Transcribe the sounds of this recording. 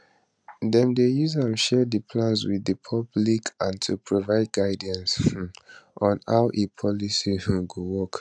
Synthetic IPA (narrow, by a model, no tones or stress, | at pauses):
dɛ̃mdejuzãmʃɛdəpʰlãnswiðəpʰɔblikʰãntʰupʰɹovaɪd̚ɡaɪdə̃ns | ʔɔ̃na̰ʊʔepʰɔlisihɡowɔk